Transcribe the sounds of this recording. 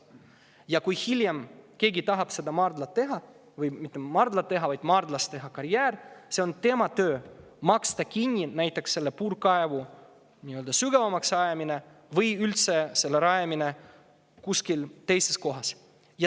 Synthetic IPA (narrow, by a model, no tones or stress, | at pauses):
jɑkujhilʲjemke̞ːɡit̪ɑɦɑb̥se̞d̪ɑmɑrd̪lɑt̪ːe̞ɦɑ | vɯjmit̪ːˑemɑrd̪lɑt̪ːe̞ɦɑvɑjd̪̥mɑːrd̪lɑst̪e̞ɦɑkɑɾjæːɾse̞o̞nt̪e̞mɑt̪ø̞ː | mɑkst̪ɑkinʲːinæjt̪ˑːe̞ksːe̞lːepuːɾkɑevu | nʲiøld̪ɑsyɡ̥evɑmɑksɑjemine | vɯjylt̪se̞se̞lːeɾɑjemine̞ | kuskilt̪e̞jse̞sko̞ɦɑs | jɑ